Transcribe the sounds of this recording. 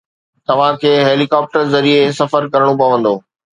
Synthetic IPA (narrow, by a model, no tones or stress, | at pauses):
t̪ɐʋ̤ãkʰeːɦeːlikaːp̚ʈəɾzɐɾiesɐfəɾkɐɾəɽ̃õpɐʋə̃n̆d̪oː